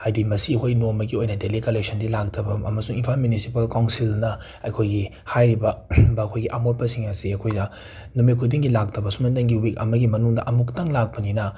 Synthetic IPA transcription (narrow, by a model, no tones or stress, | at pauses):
hajdimɐsihojnomɐɡiojnɐdelikɐlek̚sɐndilak̚tʰɐbɐɐ̰mɐsuŋinpʰalmjunisipɐlkawnsilnɐ | ɐjkʰojɡi | hajɾibɐbɐːkʰojɡiʔɐmot̚pɐsiŋɐsiɐkʰojdɐ | nomikʰudiŋɡilak̚tʰɐbɐsumɐndɐŋɡiwik̚ɐ̰mɐɡimɐnuŋdɐʔɐmuktɐŋlak̚pɐninɐ